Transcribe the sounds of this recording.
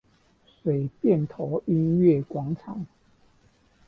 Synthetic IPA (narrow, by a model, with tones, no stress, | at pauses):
swe˨˩ɪpjɛ˥˨nt̪ʰo˨˦ʊi˦nɥɛ˥˨kwɑ˨˦ŋʈ͡ʂʰɑ˨˦ŋ